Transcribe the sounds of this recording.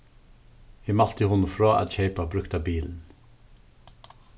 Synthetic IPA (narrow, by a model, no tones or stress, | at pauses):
iːmɑlt̪əhʊnfɾoːʔæ̰t̪çeɪpabɾʉkt̪ɑbiːln̩